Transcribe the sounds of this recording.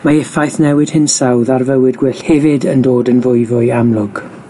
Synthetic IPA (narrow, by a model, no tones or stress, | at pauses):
maɛfajθnɛwɪd̥hɪnsawðarvəwɪdɡwɪɬhɛvɪdəndoːdənvʊɨvʊɨamlˠʊɡ̥